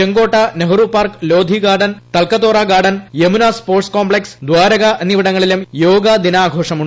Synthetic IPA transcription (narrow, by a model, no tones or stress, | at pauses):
eŋɡo̞ːʈːɐneɦurupːaːrklo̞ːd̪ʱiɡaːɽɐnt̪ɐlkɐt̪ːoːraːɡaːɽɐnjemunaspoːrʈskoːmbɭeksd̪waːɾɐɣɐɐniʋiɽɐŋːɐɭilumjoːɡɐd̪inaːɡʱoːʂɐmu